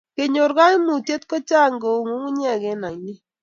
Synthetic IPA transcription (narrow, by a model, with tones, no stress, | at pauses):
ke˨ɲo˨ɾɣa˦mu˨tje˦tko˦t͡ʃa˦ŋɡo˨ŋu˦ŋu˦ɲɛ˦˨kɛ˨˦na˨jni˦